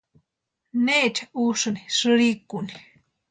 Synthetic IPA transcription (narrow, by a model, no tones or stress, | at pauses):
net͡ʃauʂɨniʂɨɾikuni